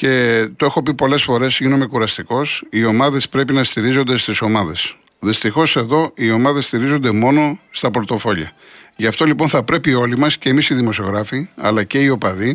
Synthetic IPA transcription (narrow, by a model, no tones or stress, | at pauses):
ce̞t̪oe̞xo̞pipo̞le̞sfo̞ɾe̞sʝinome̞kuɾɐst̪iko̞sio̞mɐðe̞spɾe̞pinɐst̪iɾizo̞nd̪e̞st̪iso̞mɐðe̞s | ðist̪ixo̞se̞ðo̞io̞mɐðe̞st̪iɾizo̞nd̪e̞mo̞no̞st̪ɐpo̞ɾt̪o̞fo̞ʎɐ | ʝɐft̪olipo̞nθɐpɾe̞pio̞limɐsceːmisiðimo̞sio̞ɣɾɐfiɐ̰lɐce̞io̞pɐði